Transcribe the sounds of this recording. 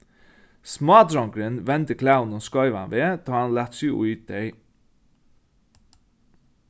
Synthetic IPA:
smɑːd̪ɾɑŋkɹənʋɛnt̪əkʰlaʊnoːskɑʏʋɑ̰nʋeːt̪ʰɑːɑnlæt̪syṵyːt̪̚d̪œʏ

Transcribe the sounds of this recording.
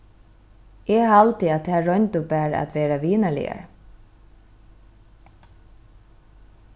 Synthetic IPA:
ɛɦalt̪ɪat̪ʰæːɹɔjnt̪ʊpæːɾa̰t̪ʋeːɾaʋiːnaɭɪ̰a̰ɹ

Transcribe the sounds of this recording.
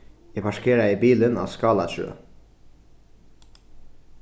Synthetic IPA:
ɛpʰɑʃkʰeːɾɑiːbiːlənɑ̰ːskɑːlɑʃø̰ː

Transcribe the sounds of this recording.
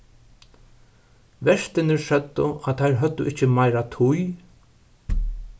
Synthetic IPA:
ʋɛʂt̪ɪnɪɾsœt̪ːʊat̪ʰːajɾɦœt̪ːʊʔɪht͡ʃːɪmajɾat̪ʰʊj

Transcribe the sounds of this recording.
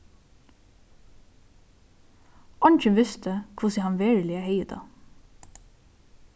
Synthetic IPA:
ʔɔnçənʋɪst̪əkʰʊsɪhɑnʋeːɹlɪæːheɪəd̪ɑ̰

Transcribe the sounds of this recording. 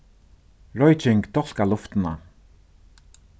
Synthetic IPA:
ɹɔjt͡ʃɪŋkt̪ʰɔl̥kalʊft̪ɪna̰

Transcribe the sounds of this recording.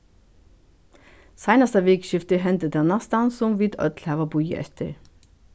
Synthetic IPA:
sæɪnɑst̪əʋeːkʃɪft̪əɦɛnt̪əd̪ɛnɑst̪ɑnsʊmʋid̪œ̰t̪lhæʋɑbujə̰ʔɛ̰t̪ə̰ɹ

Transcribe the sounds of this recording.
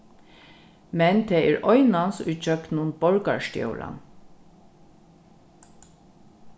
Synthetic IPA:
mɛnd̪ʰeːiɹʔɔʏnɑnsʉːc͡çœkt̪nuːnbɔɹɡɑ̰ʃtj̰o̰ːlʔɑ̰n

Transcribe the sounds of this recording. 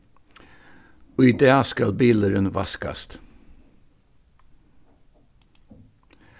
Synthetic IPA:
oid̪eːɑskɑlbiːləɾənʋɑskɑ̰st̪

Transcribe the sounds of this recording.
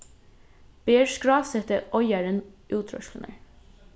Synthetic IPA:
b̥eːɹskɹɑːsɛt̪əʔɔʏɑɹənʔʉːt̪ʰɾɔ̰ʃlənə̰ɹ

